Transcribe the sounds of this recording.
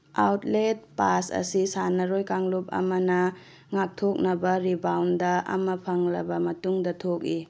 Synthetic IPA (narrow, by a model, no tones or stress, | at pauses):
awt̚let̚pasɐ̰sisanɐɾojkaŋlup̚ɐ̰mɐnɐ | ŋak̚tʰok̚nɐbɐɾibawndɐʔɐ̰mɐpʰɐŋlɐbɐmɐtuŋdɐtʰok̚i